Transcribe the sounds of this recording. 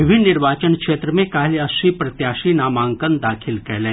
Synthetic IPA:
ɪbʱinːɪɾʋaːt͡ʃənkʂeːt̪ɾəmẽkaːlɐsipɾɐt̪jaːʃinaːmaːŋkənd̪aːkʰilkɛɦlɛ̃ː

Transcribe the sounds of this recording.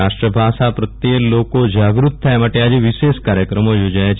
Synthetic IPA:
aʃʈɾəbʱaʃapɾət̪jelokod͡ʒaɡɾut̪̚t̪ʰːajemaʈead͡ʒeʋiʃeʃkaɾjəkɾəmojod͡ʒajat͡ʃ

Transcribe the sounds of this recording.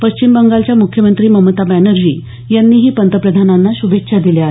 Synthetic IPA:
pəɕt͡ɕimbəŋɡalt͡ɕjamukʰjəmənt̪ɾiːməmət̪abænəɾd͡ʑḭː | janːiːɦiːpənt̪əpɾəd̪ʱananːaɕubʱetɕʰad̪ileaɦe

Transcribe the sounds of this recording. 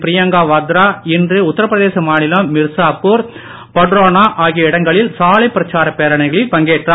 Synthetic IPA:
pɪɾɪjɐŋɡaːʋɐd̪ɾaːɪndrɯʊt̪ːɐɾɐpːɾɐðeːsɐmaːnɪlɐmːɪɾsaːpːuːɾ | pɐɖɾoːnaːʔaːɣijɐɪɽɐŋɡɐɭɪlsaːlɐɪpɪɾɐt͡ʃaːɾɐpeːɾɐɳɐɪɣɐɭɪlpɐŋɡeːʈrɐ

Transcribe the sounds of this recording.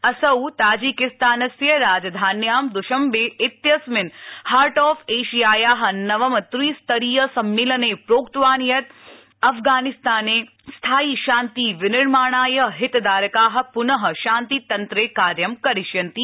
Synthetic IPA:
ɐsɐwt̪aːd͡ʒikɪst̪aːnɐsjɐɾaːd͡ʒd̪ʱaːnjaːmd̪ʊʃɐmbeʔɪt̪jɐsmɪnhaːɾʈɔːfeːʃijaːjaːɦɐ̆nɐʋɐmɐt̪ɾiːst̪ɐɾiːjɐsɐmːilɐneːpɾoːkt̪ʋaːnjɐt̪ | ɐfɡaːnɪst̪aːneː | st̪ʰaːiːʃaːnt̪iːʋɪnɪɾmaːɳ̃aːjɐɦɪt̪d̪aːɾɐkaːɦɐ̆pʊnɐɦɐ̆ʃaːnt̪it̪ɐnt̪ɾeːkaːɾjɐmkɐɾɪʃjɐnt̪i

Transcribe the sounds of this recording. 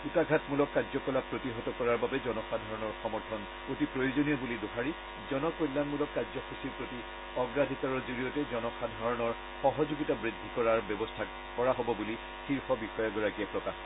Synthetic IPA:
utaɡʱatmulɔkːazɔkɔlapɹotiɦɔtɔkɔɹaɹbabɛzɔnɔxadʱɔɹɔnɔɹxɔmɔɹtʰɔn | otipɹojozonijɔbulidoxaɹi | zɔnɔkojlːanmulɔkːazɔxʰusiɹpɹoti | ɔɡɹadʱikaɹɔzoɹijɔtɛzɔnɔxadʱɔɹɔnɔɹ | xɔɦɔzuɡitabɹidʱːikɔɹaɹbɔbɔstʰa | kɔɹaɦɔbɔbuli | xiɹxɔbixɔjɔɡɔɹakiapɹɔka

